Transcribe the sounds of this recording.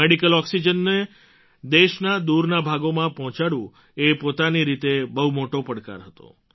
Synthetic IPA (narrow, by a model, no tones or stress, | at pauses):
eɽikəlɔksid͡ʒənːe | d̪eʃnad̪uɾnabʱaɡomãpɔɦɔ̃t͡ʃaɽũ | epot̪aniɾit̪ebəɦumoʈopəɽka̰ɾɦət̪o̰